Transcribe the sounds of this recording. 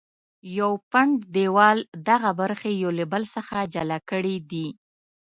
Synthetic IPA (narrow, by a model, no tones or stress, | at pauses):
jawpaɳɖd̪ewɑld̪aɣabaɾxejolɪbəlsəxad͡ʒalakəɽid̪i